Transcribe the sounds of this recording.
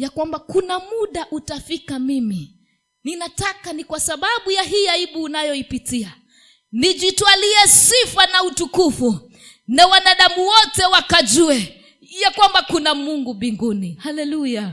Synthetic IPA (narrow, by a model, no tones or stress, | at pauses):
jakwambakunamuɗaʔutafikamimi | ninatakanikwasaɓaɓujaɦiaiɓuːnajɔipitia | niʄitwaliɛsifanautukufu | nawanaɗamuwɔtɛwakaʄuɛ | jakwambakunamuŋɡumbiŋɡunihalɛluja